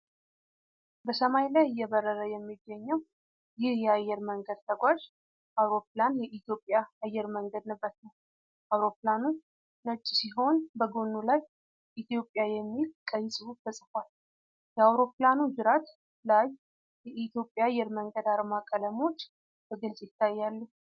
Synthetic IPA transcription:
bəsəmajlajjːɛβəɾːəɾəjɛmːiɡːəɲːɛw | jɪhjɛajːɛɾməŋɡəd̪̚t̪ʰəɡʷaʒ | ʔawɾo̞planjɛʔit̪ʰjo̞pʼːjaajːɛɾməŋɡəd̪nɨbːət̪nəw | ʔawɾo̞planu | nət͡ʃʼːsiɦo̞nbəɡonːulaj | ʔit̪ʰjo̞pʼːjajɛmːilkʼəjsʼɨufʰəsʼɨfʷal | jɛawɾo̞pɨlanud͡ʒɨɾat̪ | laj | jɛʔit̪jo̞pʼːjajːɛɾməŋɡəd̪aɾmakʼələmo̞t͡ʃː | b̥əɡɨlsʼjɪt̪ʰːajːalːu

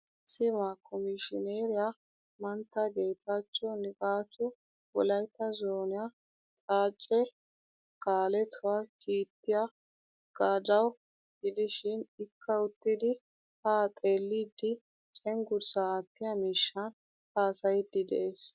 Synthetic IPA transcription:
sɪmakʰɔmɪʃɪneːɾɪja | mɐnt̪ːɐɡe̞ːt̪aːt͡ʃːɔnɪkʼaːt̪ʊ | wɔlɐjt̪ːɐzoːnɪja | t̪ʼaːt͡ʃʼːɛ | kaːlɛt̪ʰʊwaːkʰiːt̪ːɪja | ɡ̥aːd̪ɐw | ɡɪd̪ɪʃɪnɪkːɐʊt̪ːɪd̪ɪ | haːt̪ʼe̞ːlːiːd̪ːɪ | t͡ʃʼɛŋɡʊɾsat̪ːɪjɐmiːʃːɐn | haːsɐjɪd̪ːɪd̪ɛ̰ʔeːs

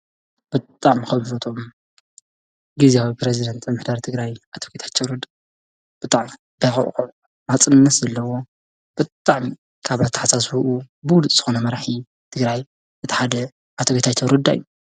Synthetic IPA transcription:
b̥ɨt̪ʼaʕmixɐβfot̪ʰo̞m | ɡizeawipɾezid̪ɐnt̪ʰamɨħd̪aɾt̪ʰɨɡɾajʔat̪ʰoɡet̪ʰḁt͡ʃʰːɐwɾɨd̪ | b̥ɨt̪ʼaʕmi | b̥ɐxʼɐ̰ʔxʼuʕ | mat͡sʼɨnnːɐt̪zɐlːɐwo | b̥ɨt̪ʼaʕmi | kʰaβat̪ʰːɐ̥ħasasuʔu | bɨwʊlut̪ʼz̥ɨxonɐmɐɾaħi | t̪ʰɨɡɾaj | ʔɨt̪ʰi̥ħad̪ɐ | ʔat̪ʰoɡet̪ʰat͡ʃʰɐwɾɨd̪a̰jːu

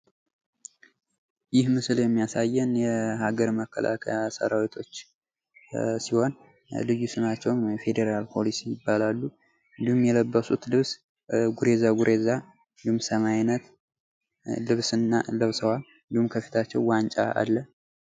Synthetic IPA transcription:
jɪhmɨsɨljɛmːijasajːɛnjɛhaɡəɾməkʰːə̰lʔa̰kʰasə̰ɾawit̪ʰo̞t͡ʃː | siho̞n | lɨjːusɨnat͡ʃːɛwjɛfe̞d̪eɾalpʰo̞lisijɪbːalalːu | ɨnd̪ihumjɛləbːəsut̪lɨβs | ɡuɾe̞zaɡuɾʔeza | ɨnd̪ihumsəmajinət̪ | lɨβsɨnːalɨβsəwalɨnd̪ihumkʰəfi̥t̪ʰat͡ʃːɛwwant͡ʃʼa̰a̰lːə

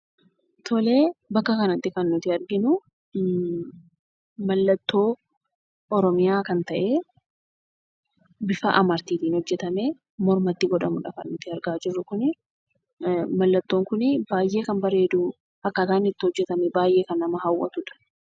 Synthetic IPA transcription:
t̪ʰɔle̞ːbɐkːɐkɐnɐt̪ːɪkɐnːʊt̪ɪɐɾɡɪnʊ | mɐlːɐt̪ːo̞ː | ɔɾɔmɪjaːkɐnt̪ɐʔe̞ː | bɪfɐ̰ʔɐmɐɾt̪iːt̪iːnhɔd͡ʒːɛt̪ɐme | mɔɾmɐt̪ːɪɡɔᶑɐmʊᶑɐkɐ̰nːʊt̪ɪɐɾɡaːd͡ʒɪrːʊkʊnɪ | mɐlːɐt̪ːoːŋkʊnɪbaːjʔe̞ːkɐmbɐɾe̞ːd̪ʊ | ɐkːɐkaːnːɪt̪ːɪhɔd͡ʒːɛt̪ɐmɛbaːjʔe̞ːkɐnːɐmɐɦɐwʔɐ̰t̪ʊᶑɐ̥

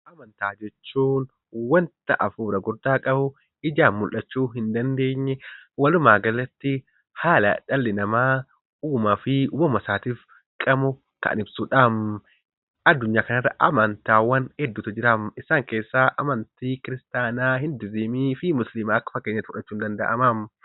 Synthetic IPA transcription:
ʔɐmɐnt̪aːd͡ʒɛt͡ʃːuːn | wɐnt̪ɐʔɐfuːɾɐɡʊɾd̪aːkʼɐbʊ | ɪd͡ʒaːnmʊlʔɐt͡ʃːuːɦɪnd̪ɐnd̪e̞ːɲːɛwɐlʊmaːɡɐlːɐt̪ːɪ | haːlɐ̰ᶑɐlːɪnɐmaː | uːmɐfɪuːbɐmɐsaːt̪iːf | kʼɐmʊ | kɐ̰nɪbsuːᶑam | ɐd̪ːʊɲːaːkɐnɐrːɐʔɐ̰mɐnt̪aːwɐnhɛd̪ːuːt̪ɐd͡ʒɪɾamɪsaːŋke̞ːsːaːʔɐmɐnt̪iːkɪɾɪst̪aːnaːhɪnd̪ɪzimiːfɪmʊslɪmaɐkːɐ̥fɐkːeːɲːɐt̪mʊᶑɐt͡ʃːuːnd̪ɐnd̪ɐ̰ʔɐmam

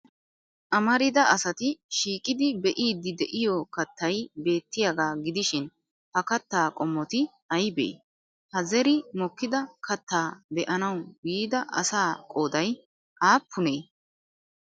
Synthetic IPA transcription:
ʔɐmɐɾɪd̪ɐɐsɐt̪ɪʃiːkʼɪd̪ɪbɛʔiːd̪ɪd̪ɛʔɪjɔkɐt̪ʰːɐjbe̞ːt̪ːɪjaɡaːɡɪd̪ɪʃɪn | hɐkɐt̪ːaːkʼɔmːɔt̪ɪ | ɐjbɛ̰ʔḭ | hɐzɛɾɪmɔkːɪd̪ɐkʰɐt̪ːaːbɛʔɐnɐwbiːd̪ɐʔɐ̰saːkʼoːd̪ɐj | ʔaːpʰːʊnɛ

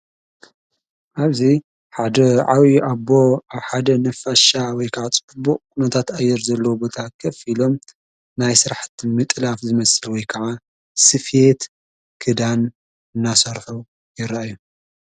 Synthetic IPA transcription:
ʔaβzi | ħad̪ɐʕawiʔaboaħad̪ɐnɐfaʃawɔjkʰɐʕat͡sʼɨbɨbːuʔʼkʰunɐt̪ʰat̪ajːɛɾzɐlːɐwobo̞t̪ʰakʰɐfilo̞m | najsɨɾaħt̪mɨt̪ʼlafzɨmɐsɨlwɔjkʰɐʕa | sɨfet̪ | kʰɨd̪an | ɨnːasɐɾħu | jɪɾaajːu

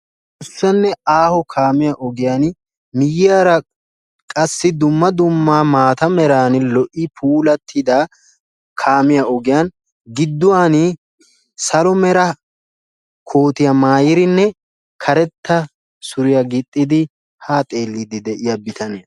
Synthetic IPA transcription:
ʊsːɐnːɛaːhɔkʰaːmɪjaʔɔɡɪjan | mɪjɪjaːɾɐ | kʼɐsːɪd̪ʊmːɐd̪ʊmːaːmaːt̪ɐmɛɾaːnɪlɔʔɪpʰuːlɐt̪ʰːɪd̪ɐ | kʰaːmɪjaɔɡɪjan | ɡɪd̪ːʊwaːn | sɐlɔmɛɾɐ | kʰoːt̪ɪjɐmaːjɪɾɪnːɛ | kʰɐɾɛt̪ːɐ | sʊɾɪjɐɡɪt̪ʼːɪd̪ɪ | haːt̪ʼe̞ːlːɪd̪ɪd̪ɛʔɪjɐbɪt̪ɐne

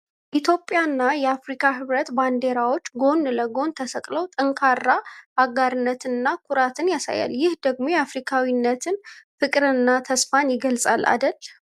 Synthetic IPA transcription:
jɛʔit̪ʰjo̞pʼːjanːajɛafɾikʰaɦɨβɾət̪band̪e̞ɾawo̞t͡ʃːɡo̞nːləɡo̞nt̪ʰəsəkʼləwt̪ʼɨŋkʰarːaaɡaɾɨnːət̪ɨnːakʰuɾat̪ʰɨnjasa̰ja̰ljɪhd̪əɡmo̞jafɾikʰawinːət̪ʰɨnfɨkʼɾɨnːat̪ʰəsfanjɪɡəlsʼa̰lʔa̰d̪əlː

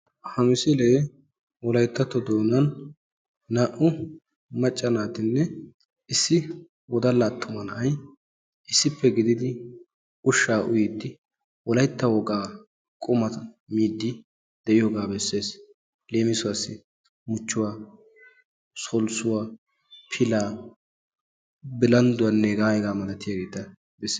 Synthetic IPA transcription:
hɐmɪsɛleː | wɔlɐjt̪ːɐt̪ːɔd̪oːnɐnː | aːʔʊ | mɐt͡ʃʼːɐnaːt̪ɪnːɛ | ɪsːɪ | wɔd̪ɐlːaːt̪ʰːʊmɐnɐɐj | ʔɪsːɪpːɛɡɪd̪ɪd̪ɪ | ʊʃːaːʔʊjɪd̪ːɪ | wɔlɐjt̪ːɐwɔɡaː | kʼʊmɐɐ | miːd̪ːɪ | d̪̥ɛʔɪjoːɡaːbɛsːe̞ːs | le̞ːmɪsʊwasːɪ | mʊt͡ʃːʊwaː | sɔlsʊwaː | pʰɪlaː | bɪlɐnd̪ʊwɐnːeɡaːjɛɡaːmɐlɐt̪ːɪjaːɡe̞ːt̪ːɐ | bɛsːe

